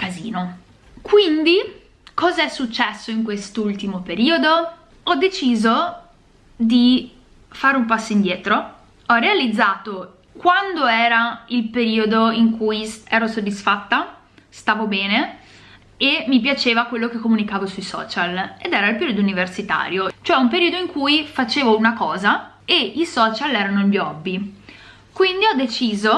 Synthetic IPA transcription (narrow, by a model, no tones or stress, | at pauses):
kazḭːno | kwind̪i | kɔːzaɛsːut͡ʃːɛsːoiŋkwest̪ult̪imopeɾiːod̪o | ɔd̪et͡ʃiːzo | d̪i | faːɾeumpasːoind̪jeːt̪ɾo | ɔrealid̪zːaːt̪o | kwand̪oɛːɾailpeɾiːod̪oiŋkujsɛːɾosod̪ːisfat̪ːa | st̪aːvobɛːne | emːipjat͡ʃeːvakwelːokekːomunikaːvosujsɔ̰ːt͡ʃaled̪ɛːɾailpeɾiod̪ouniversit̪a̰ːɾjot͡ʃoɛumpeɾiːod̪oiŋkujfat͡ʃeːvounakɔːza | eisɔːt͡ʃalɛːɾanoiʎɔbːi | kwind̪iɔd̪ːet͡ʃiːzo